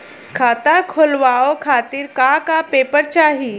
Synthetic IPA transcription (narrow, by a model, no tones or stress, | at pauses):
kʰaːt̪akʰolʋaːokʰaːt̪ɪɾkakapeːpəɾt͡ʃaːɦiː